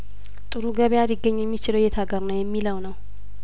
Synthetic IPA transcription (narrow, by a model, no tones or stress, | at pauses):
t̪ʼɨɾuɡəβjad̪iɡːəɲːujɛmːit͡ʃɪləwjɛt̪ʰaɡəɾnəwjɛmːiləwnəw